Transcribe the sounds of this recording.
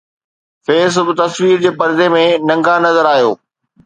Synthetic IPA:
feːs̬ʊbɪt̪ɐswiːɾd͡ʑeːpɐɾzemẽnɐ̃ŋɡanɐzəɾaːɦijo̰ː

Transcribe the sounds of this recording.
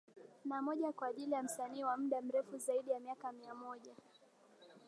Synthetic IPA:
namɔʄakwaːʄilijam̩saniːwam̩ɗam̩ɾɛfuzaiɗijamiakamiamɔʄa

